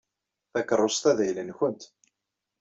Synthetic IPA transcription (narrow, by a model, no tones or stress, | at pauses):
θækərˤːosˤt̪æðæjlənçʊnt̪